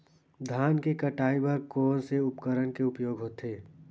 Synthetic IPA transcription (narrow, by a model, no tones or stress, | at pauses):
d̪ʱaːnkekəʈaːibəɾkoːɾseʊpkəɾənkeʊpjoːɡɦoːt̪eː